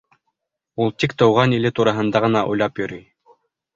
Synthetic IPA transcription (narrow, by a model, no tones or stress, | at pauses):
ulˠt̪ikt̪ɤ̆wʁɑnilɘt̪uɾɑɦɤ̆nd̪ɑʁɤ̆nɑʔṵjlˠɑpjɵ̆ɾyj